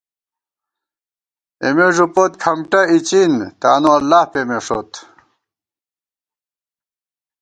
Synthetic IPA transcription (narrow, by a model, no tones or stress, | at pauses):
emeʐupot̪̚kʰɐmʈɐit͡ɕint̪aːnuɐlːaːhpemeʂot̪